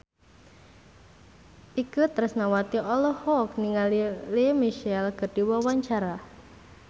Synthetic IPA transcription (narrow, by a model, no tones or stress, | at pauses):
ʔikut̪ɾəsnawat̪iɔlɔhɔk̚niŋalilemiʃɛlkərd̥iwawaɲt͡ʃaɾa